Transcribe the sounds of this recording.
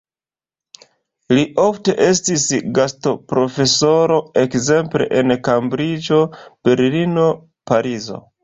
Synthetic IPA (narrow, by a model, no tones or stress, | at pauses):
liʔo̞fte̞ʔe̞stisɡasto̞pɾo̞fe̞so̞ɾo̞e̞kze̞mple̞̰ʔenkambɾid͡ʒo̞b̥e̞ɾlino̞ | paɾizo̞̰